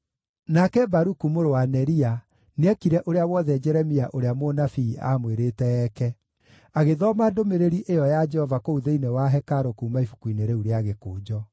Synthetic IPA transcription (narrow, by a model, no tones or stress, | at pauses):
nakɛbaɾukumoɾowanɛɾia | neɛkiɾɛʔoɾeawɔðɛd͡ʒɛɾɛmiaʔoɾeamonafiːamweɾetɛɛkɛ | aɣeðɔmadomeɾeɾiʔejɔjad͡ʒɛhɔvakouðeinewaɦɛkaɾokuːmaifukuineɾeuɾeaɣekoːd͡ʒɔ